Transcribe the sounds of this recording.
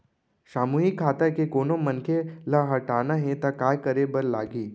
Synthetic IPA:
ʃaːmuːɦikʰːaːt̪akekoːnomɐnkʰelaɦɐʈaːnaɦɛ̃t̪akaːjkəɾebəɾla̰ːɡiː

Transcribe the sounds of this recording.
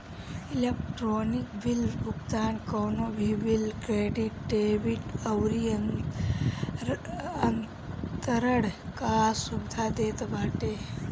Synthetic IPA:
ilekʈɾoːnikbilbʱʊɡd̪aːnkɔːnobʱiʋilkɾeːɖiʈɖeːbiʈəwɾi | ən | t̪əɾəɽkasubɪd̪ʱad̪eːt̪bʱaːʈe

